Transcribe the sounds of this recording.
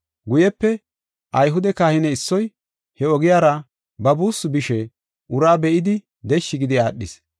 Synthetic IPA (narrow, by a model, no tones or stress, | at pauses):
ɡʊjɛpːɛ | ʔɐjɦʊd̪ɛkaːhɪnɛɪsːɔj | hɛɔɡɪjaːɾɐ | bɐbuːsʊbɪʃɛ | ʔʊɾaːbɛʔɪd̪ɪ | d̪ɛʃːɪɡɪd̪ɪaːɗːɪ̰s